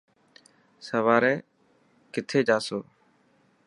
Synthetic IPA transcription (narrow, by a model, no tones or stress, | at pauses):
səʋaːɾɛː | kɪt̪ʰeːd͡ʒaːsoː